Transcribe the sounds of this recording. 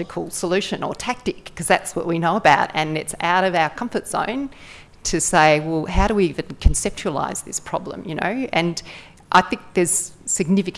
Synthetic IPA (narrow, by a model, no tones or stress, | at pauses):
ɨkʰl̩ˠsəlʉʃɨ̃nə̰˞tʰæk̚tɨkʰːʌzðætswʌ̰ʔ̚winoʊəbaʊɾɨ̃nɨtsa̰ʊɾʌvaʊə˞kʰʌ̃ɱfə˞tsõ̰ʊ̃n | tʰɨseɪwɛlˠɦaʊɾəwiivɨ̃nkʰn̩sɛp̚t͡ʃʉəla̰ɪz̥ðɪspʰɹ̥ɑ̰blə̰̃mjɨño̰ʊɨ̃n | ʔaɪθɪ̃ŋk̚ðə˞z̥sɨɡ̚nɪfɨk